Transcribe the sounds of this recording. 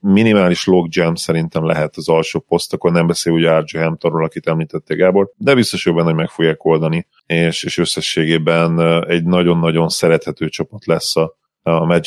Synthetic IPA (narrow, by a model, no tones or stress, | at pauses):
minimaːliʃlo̞ɡd͡ʒɛmsɛɾint̪ɛmlɛ̰ɦɛt̪ɒzɒlʃoːpo̞st̪ɒkornɛmbɛseːluːɟɛard͡ʒehɛmpt̪oɾrɒlɒkit̪ɛmliːt̪ɛt̪ːeːɡaːbo̞rd̪ɛbist̪o̞ʃobɛnhoɟmɛkfo̞ɡjaːko̞ld̪ɒni | eːʃeːʃø̞sːɛʃːeːɡeːbɛnɛɟnɒɟo̞nːɒɟo̞nsɛɾɛt̪hɛt̪øːt͡ʃɒpɒt̪lɛsːɒ | mɛd͡ʒ